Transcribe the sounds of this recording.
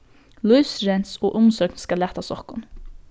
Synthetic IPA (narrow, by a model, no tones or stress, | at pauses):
luʏsɾɛnsoːʔʊmsøœːknskɑlæt̪ast̪ɔkʊn